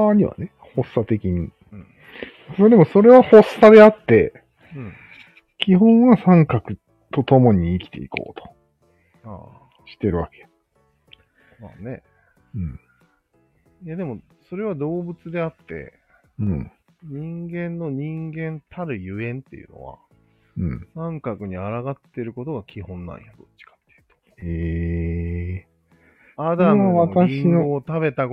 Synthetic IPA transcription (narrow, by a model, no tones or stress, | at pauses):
aɲ̟iβa̰ne̞ | ho̞sːat̪e̞kʲiɲ̟ĩ | d̪e̞mo̞so̞ɾe̞βaho̞sːad̪e̞at̪ːe̞ | ɯ̃ | kʲiɦõ̞ɰ̃βasãŋkakɯ̟ | t̪o̞t̪o̞mo̞ɲ̟iːkʲi̥t̪e̞̰ḭko̞̰ːt̪o̥ | a̰ | ɕi̥t̪e̞ɾɯ̟βake̞̥ | ma̰ːne̞ | ɯ̟̃ɴ | jad̪e̞mo̞ | so̞ɾe̞βad̪o̞ːbɯ̟t͡sɨd̪e̞at̪ːẽ̞̰ | ɲĩŋɡẽ̞nːo̞ɲ̟ĩŋɡẽ̞nt̪ʰaɾɯ̟jɯ̟ẽ̞nt̪ːe̞jɯ̟̰no̰βa̰ | ɯ̃nãŋkakɯ̟ɲ̟iaɾaɡat̪ːe̞ɾɯ̟ko̞t̪o̞ɡakʲihõ̞nːã̰ɰ̰̃jad̪o̞t͡ɕːi̥kḁt̪ːe̥jɯ̟t̪o̥e | ad̪amβat̪aĩioːt̪aβe̞t̪a